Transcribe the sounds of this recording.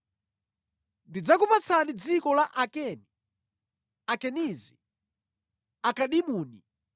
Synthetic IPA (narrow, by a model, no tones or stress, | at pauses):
ndid͡zakupat͡sʰanid͡zikɔlaʔakɛni | akɛnizi | akaɗimuːni